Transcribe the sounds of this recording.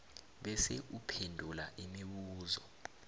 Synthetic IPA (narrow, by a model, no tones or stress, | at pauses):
ɓɛseʔupʰendʱulaʔimiɓuːzɔ